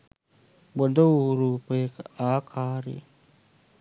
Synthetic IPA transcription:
bod̪ɐwɾuːpəjekəaːkʰaːɾḭ

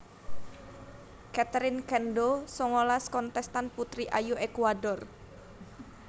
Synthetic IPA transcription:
kat̪əɾɪnkɛnɖosɔŋolaskɔnt̪ɛst̪anput̪ɾiʔajoʔekuwadɔr

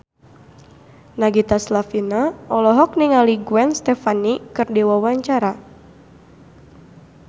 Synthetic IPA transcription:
naɡit̪aslafinaɔlɔɦɔk̚niŋaliɡuɛnst̪ɛfanikɨrdiwawaɲt͡ʃaɾa

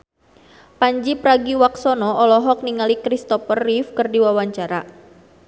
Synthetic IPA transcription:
paɲd͡ʒipɾaɡiwak̚sɔnɔɔlɔɦɔk̚niŋalikɾist̪ɔfərːifkɨrdiwawaɲt͡ʃaɾa

